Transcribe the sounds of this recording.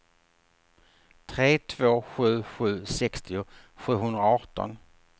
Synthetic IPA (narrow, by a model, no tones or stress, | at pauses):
t̪ʰɾeːt̪ʰv̥oːɧʉ̟ːɧʉ̟ːsɛkst̪ɪʊ | ɧʉ̟ːɦɵnd̪ɾaɔːʈɔ̰n